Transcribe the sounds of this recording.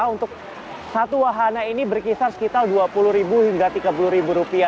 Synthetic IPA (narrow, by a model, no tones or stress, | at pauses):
unt̪ʊk̚ | sat̪uwaɦanainibərkisarsə̥kit̪alduapulʊhɾibuhiŋɡat̪iɡapulʊɾibuɾupia